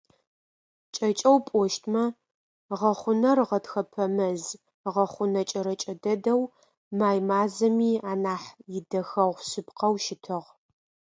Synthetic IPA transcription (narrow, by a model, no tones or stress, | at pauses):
t͡ʃʼɐt͡ʃʼɐwpʼɔʃtʰmɐ | ʁɐχʷʊnɐrʁɐtxɐpʰɐmɐz | ʁɐχʷʊnɐt͡ʃʼɐɾɐt͡ʃʼɐdɐdɐw | maːjmaːzɐmiːaːnaːħjɪdɐxɐʁʷsɨpqɐwʃɪtʰɨʁ